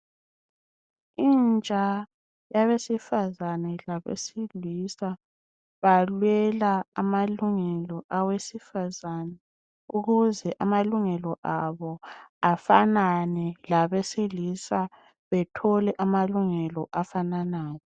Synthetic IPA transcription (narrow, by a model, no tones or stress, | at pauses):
int͡ʃʼa | jaβesifazanɛlaβḛsilisa | βalwɛlaamaluŋɛlɔʔawesifazanɛ | uɣuzɛʔamaluŋɛlɔʔaβɔafananɛlaβesilisa | βɛtʰɔlɛʔamaluŋɛlɔʔafananaːjɔ